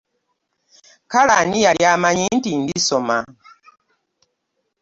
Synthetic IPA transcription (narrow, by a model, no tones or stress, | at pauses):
kalanijaljamaɲintindisoma